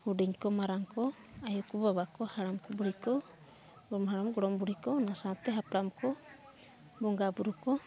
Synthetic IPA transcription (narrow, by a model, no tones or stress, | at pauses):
huɖiŋkɔmaɾaŋkɔ | ajɔkubaβakɔhaɽamkɔbuɽikɔ | ɡɔmɦaɽamɡɔɽɔmbuɽikɔnasat̪ɛɦapɾamkɔ | bɔŋɡabuɾukɔ